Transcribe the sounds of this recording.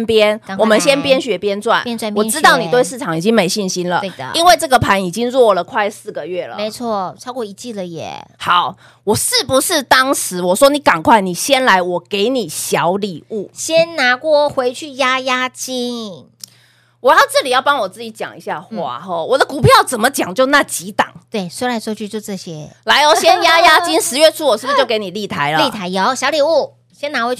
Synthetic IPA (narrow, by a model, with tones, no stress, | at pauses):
npjɛ˦˥nwɔ˨˩mə˨˦nɕjɛ˥npjɛ˥nɕɥɛ˧˥pjɛ˥nt͡swa̰˥˩na˥˨wɔ˨˧ʈ͡ʂɻ̩˥˦t̪ɑ˥˩ʊni˨˩t̪we˥˧ɪʂɻ̩˥˩ʈ͡ʂʰɑ˨˧˩ŋi˨˩t͡ɕi˦˥ŋme˧˥ɪɕi˥˩nɕi˥nlə̰˨e˧˨i˦˥nwe˥˧ɪʈ͡ʂɤ˥˩ɡə˨˩pʰa˧˦ni˨˩t͡ɕi˦ŋɹwɔ˥˩lə˩kʰwa˥˧ɪsɹ̩˥˩ɡə˨ɥɛ˥˩lə̰˩me˧˦ɪt͡sʰwɔ˥˩t͡sʰɑ˥ʊkwɔ˥˩i˧˩t͡ɕi˥˩lə˨jɛ̰˨˩˦xa˨˦ʊ | wɔ˨˩ʂɻ̩˥˩pu˧˦ʂɻ̩˥˩t̪ɑ˥ŋʂɻ̩˧˥wɔ˨˩ʂwɔ˥ni˧˥˦ka˨˩nkʰwa˥˩ɪni˨˩ɕjɛ˥nla˧˦ɪwɔ˨˩ke˧˥ɪni˨˩ɕjɑ˧˦ʊli˨˩u˥˩ɕjɛ˥nna˧˥kwɔ˥˩xwe˧˥ɪt͡ɕʰy˥˩ja˥ja˥t͡ɕi˥n | wɔ˨˩jɑ˥˧ʊʈ͡ʂɤ˥˩li˨˩jɑ˥˩ʊpɑ˥ŋwɔ˨˩t͡sɹ̩˥˩t͡ɕi˧˥t͡ɕjɑ̰˨˩ŋḭ˧˥ɕja˥˧˩xwa̰˥˩ɦɔ˥˩wɔ˨˩d̪ə˦ku˨˩pʰjɑ˥˩ʊt͡sə˨˩nmə˦t͡ɕjɑ˨˩ŋt͡ɕjo˥˧ʊna˥˩t͡ɕi˧˦˥t̪ɑ̰˨˩˦ŋt̪we˥˩ɪswe˥ɪɻa˧˥nʂwɔ˥t͡ɕʰy˥˧t͡ɕjo˥˧ʊʈ͡ʂɤ˥˩ɕjɛ˥la˧˥ɪlə˨˩ɕjɛ˥nja˥ja˥t͡ɕi˥nʂɻ̩˧˦ɥɛ˥˧ʈ͡ʂʰu˥wɔ˨˩ʂɻ̩˥˩bu˧˩t͡ɕjo˥˩ʊke˧˥ɪni˨˩li˥˩t̪ʰa˧˦ɪlə˦i˥˩t̪ʰa˧˥ɪjɑ˨˥ɕjɑ˧˥ʊli˨˩u˥˩ | ɕjɛ˥na˧˥xwe˧˥ɪ